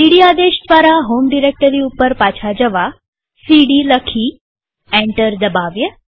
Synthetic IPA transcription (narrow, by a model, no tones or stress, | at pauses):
siɽiad̪eʃd̪ʋaɾaɦomɖiɾek̚ʈəɾiupəɾpat͡ʃʰad͡ʒəʋa | siɽiləkʰi | ɛ̃ɳʈəɾd̪əbaʋjə